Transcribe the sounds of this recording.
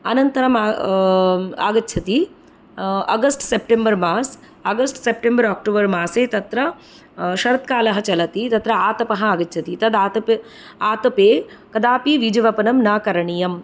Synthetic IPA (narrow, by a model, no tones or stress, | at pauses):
ɐnɐnt̪ɐɾɐma | a̰ːɡɐtːʃʰɐt̪i | ɐ̰ɡɐsʈsep̚ʈembɐɾmaːs | ɐɡɐsʈsep̚ʈembɐɾaːk̚ʈoːbɐɾmaːseːt̪ɐt̪ɾɐ | ʃɐɾɐt̪̚kaːlɐɦɐt͡ʃɐlɐt̪it̪ɐt̪ɾɐaːt̪ɐpɐɦɐaːɡɐtːt͡ʃʰɐt̪it̪ɐd̪aːt̪ɐp | aːt̪ɐpeː | kɐd̪aːpiʋid͡ʒɐʋɐpɐnɐmnaːkɐɾɐɳijɐm